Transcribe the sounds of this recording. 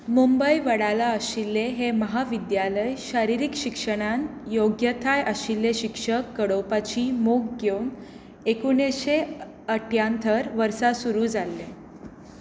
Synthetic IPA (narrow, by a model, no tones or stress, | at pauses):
mumbəjʋəɽalaəɕilːeɦeməɦaʋid̪jaləjɕaɾiɾikɕikʂəɽ̃anjoɡjət̪ʰajʔəɕilːeɕikʂəkːəɽopat͡ɕiːmoɡɡjown | ekuɳeɕe | əʈʰjant̪ʰəɾʋəɾsasuɾuːd͡zalːe